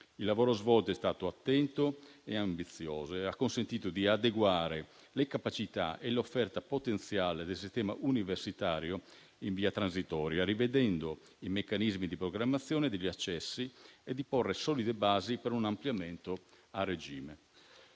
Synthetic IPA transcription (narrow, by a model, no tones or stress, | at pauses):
ilːavoːɾozvɔlt̪oɛst̪aːt̪oat̪ːɛnt̪oeambit̪sːjoːzoakːonsent̪iːt̪od̪iad̪eɡwaːɾe | lekapat͡ʃit̪a̰ʔelofːɛrt̪apot̪ent̪sjaːled̪elsist̪ɛːmaʔuniversit̪aːɾjo | iɱviːat̪ɾans̬it̪ɔːɾjaɾived̪ɛnd̪o | imekːanizmid̪ipɾoɡɾamːat̪sːjɔːned̪eʎːiat͡ʃːɛsːied̪ːiporːesɔːlid̪ebaːzipeɾunampljamɛnt̪o | arːed͡ʒiːme